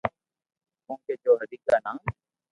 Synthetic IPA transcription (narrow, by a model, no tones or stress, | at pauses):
mʊ̃ːkeːd͡ʒoːɦəd̪iːk̚daːnãːmː